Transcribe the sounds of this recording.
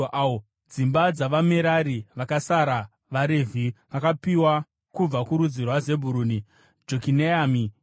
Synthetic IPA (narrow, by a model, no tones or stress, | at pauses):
o | d͡zimbad͡zaʋameɾaɾiʋakasaɾa | ʋaɾevʱiʋakapiwa | kub͡vakuɾud͡zirwaze̞bʱuɾuːni | d͡ʒokineami